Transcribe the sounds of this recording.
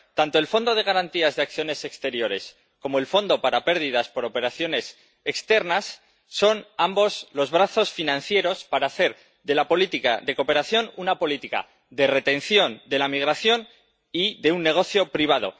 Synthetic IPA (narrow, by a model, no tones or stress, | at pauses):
t̪ant̪o̞e̞lfo̞nd̪o̞ð̞e̞ɣ̞aɾant̪iazðe̞ak̚θjo̞ne̞se̞kst̪e̞ɾjo̞ɾe̞̰s | ko̞mo̞e̞lfo̞nd̪o̞paɾape̞ɾðiðaspo̞ɾo̞pe̞ɾaθjo̞ne̞s | ekst̪e̞ɾnasː | o̞nambo̞slo̞zβɾaθo̞sfinãnθje̞ɾo̞spaɾaːθe̞ɾ | ðe̞lapo̞lit̪ika̰ðe̞ko̞pe̞ɾaθjo̞nunapo̞lit̪ika̰ | ðe̞re̞t̪e̞nθjo̞nd̪e̞lamiɣ̞ɾaθjo̞n | iðe̞unːe̞ɣ̞o̞θjo̞pɾiβ̞að̞o̞̰